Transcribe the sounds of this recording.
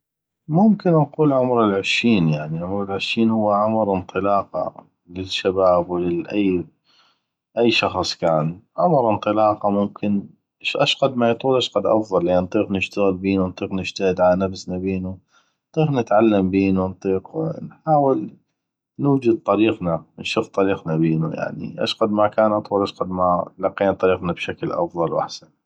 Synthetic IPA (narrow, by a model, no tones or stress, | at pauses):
mʊmkɪnnquːlʕʊmɾɪlʕɪʃːiːnjaʕniʕʊmɾɪlʕɪʃːiːnhʊwːaʕʊmɾɪnt̪ˤɨlɑːqɑ̰ | lɪʃːabaːbwlɪʔajː | ʔajːʃɑxsˤkaːnʕʊmɾʔɪnt̪ˤɨlɑːqɑmʊmkʰɪn | ʃʔaʃɣɑd̪majt̪ˤuːlʔaʃqɑd̪ʔɑ̰fðˤɑlːint̪ˤiːqnɪʃt̪aɣɪlbiːnuwnt̪ˤiːqnɪʃt̪ahɪd̪ʕalanafsnabeːnu | t̪ˤiːqnɪt̪ʕalːambiːnunt̪ˤiːqwnħħaːwɪl | nuːd͡ʒad̪̚t̪ˤɑɾiːqnanʃuft̪ˤɑɾiːqnabiːnṵja̰ʕnḭʔa̰ʃɣɑd̪makaːnʔɑt̪ˤuːlʔaʃqad̪malɑqeːnat̪ˤɑɾiːqnabʃaklʔɑ̰fðˤɑlwʔa̰ħsan